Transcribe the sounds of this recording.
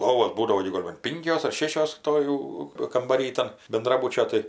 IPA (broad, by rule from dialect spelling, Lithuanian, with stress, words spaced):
lˠoːʋoːs ˈbuːdɐʋoː ɡʲɪ ɡoːlʲ bɐn ˈpʲɪŋʲkʲoːs ɐr ˈʃʲeːʃʲoːs ˈtoː jɛʊ kɐmbɐˈrʲiː ˈtɐn bʲɛnˈdrɑːbʊt͡ʃʲoː ˈtɐɪ